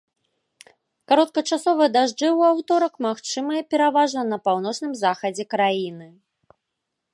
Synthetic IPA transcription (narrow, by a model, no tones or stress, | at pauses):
kaɾɔt̪̚kɐt͡ʂasɔvɨɐd̪aʐd͡ʐɨwawt̪ɔɾɐkmaxt͡ʂɨmɐjɛpʲɛɾavaʐnɐnɐpawn̪ɔt͡ʂnɨmzaxɐd͡zʲɛkɾajinɨ